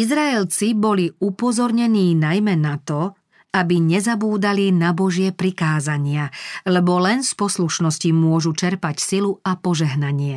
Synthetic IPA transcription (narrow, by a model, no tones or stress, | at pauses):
izɾaɛlt͡sibɔliupɔzɔɾɲɛniːnajmɛnat̪ɔ | abiɲɛzabuːd̪alinabɔʒɪɛpɾikaːzaɲɪalɛbɔlɛnspɔsluʃnɔscimʊɔʒut͡ʃɛɾpacsiluapɔʒɛɦnaɲɪɛ